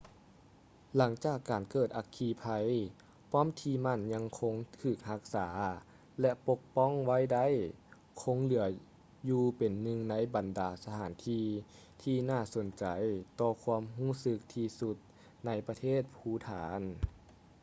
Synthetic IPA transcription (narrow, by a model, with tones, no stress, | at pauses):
la˩˦ŋt͡ɕaː˨˩kːaː˨˩nkɤː˨˩t̪̚ʔa˧˥kʰːiː˧pʰa˧j | pʰɔː˧˥˨mt̪ʰiː˧ma˧˥˨nɲa˧˥ŋkʰo˧˥ŋt̪ʰɯː˧˩k̚ha˧˥k̚saː˩˦ | lɛ˧ʔpo˧˥k̚pɔ˧˥˨ŋwa˧˥˨jda˧˥˨j | kʰo˧˥ŋlɯ˩˦ɐ | juː˧pe˨˩nːɯ˧ŋna˧˥jba˨˩ndaː˨˩sa˧t̪ʰaː˨˩˦nt̪ʰiː˧˥ | t̪ʰiː˧naː˧˩so˨˦nt͡ɕa˨˩jt̪ɔː˧kʰwuː˧əmɦuː˧˥˩sɯ˧˥k̚t̪ʰiː˧su˧˦t̪̚ | na˧˥jpa˧t̪ʰeː˥˩˨t̪̚pʰuː˧˥˩t̪ʰaː˨˦n